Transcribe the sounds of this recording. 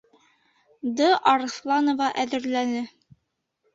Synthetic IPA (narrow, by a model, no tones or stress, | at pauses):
d̪ɤʔɑɾslˠɑnŏvɑʔæðɘ̆ɾlænɘ